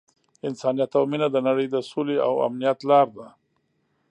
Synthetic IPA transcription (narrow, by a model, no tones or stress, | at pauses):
ɪnsɑnijat̪awminad̪ənaɽəjd̪əsolea̰wa̰mnijat̪lɑɾd̪a